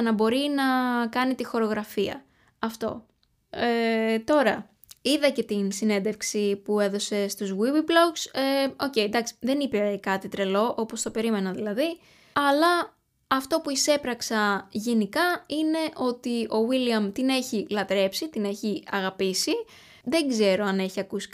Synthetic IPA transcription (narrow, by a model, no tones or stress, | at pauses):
nɐbo̞ɾinɐkɐnit̪ixo̞ɾo̞ɣɾɐfiɐ̰ | ɐft̪o̞̰ | et̪o̞ɾɐ | iðɐce̞t̪insine̞nd̪efksipue̞ðo̞se̞st̪uzɣiviblo̞kseo̞ce̞jd̪ɐksi̥ðe̞nipekɐt̪it̪ɾe̞lo̞ʔo̞post̪ope̞ɾime̞nɐðilɐði | ɐlɐː | ft̪o̞puise̞pɾɐksɐʝe̞nikɐine̞ʔo̞t̪io̞wiliɐmt̪ine̞çilɐt̪ɾe̞psit̪ine̞çiɐɣɐpisi | ðe̞ŋɡze̞ɾo̞ɐne̞çiɐkusi̥